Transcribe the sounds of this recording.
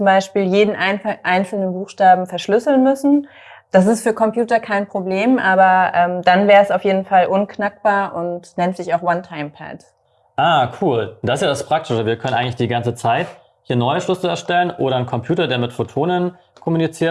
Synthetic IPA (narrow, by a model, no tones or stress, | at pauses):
t͡sʊmbaɪʃpiːljeːdn̩ʔʔaɪnt͡sl̩nənbuːxʃtaːbm̩fɛɐʃlʏsl̩nmʏsn̩ | d̥as̬ɪstfyːɐkʰɔmpjuːtɐkʰaɪnpʁ̥obleːmʔaːbɐʔɛːmd̥anvɛːʁəɛsaʊfjeːdn̩falʔʊnkʰnak̚b̥aːɐʔʊntnɛntz̥ɪçaʊxwantʰaɪmpʰɛ̰d | ʔaːkʰuːld̥asɪsjaːdaspʁ̥ak̚tʰɪʃəviːɐkʰœnənʔaɪŋklɪçd̥iːɡant͡sət͡saɪt | hiːɐnɔʏəʃlʏsl̩ɛɐʃtɛlənʔoːɾɐnkʰɔmpʰjuːtɐdeːɐmɪtfotʰoːnən | kʰɔmunit͡siːɐ